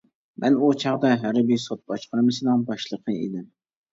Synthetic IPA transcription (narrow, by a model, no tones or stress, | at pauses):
mʔɛnut͡ʃʰɑʁd̪ɑɦæɾɪbisot̪̚b̥ɑʃqəɾmɨsɨnɨŋbɑʃlˠəqʰəḛd̪ɪm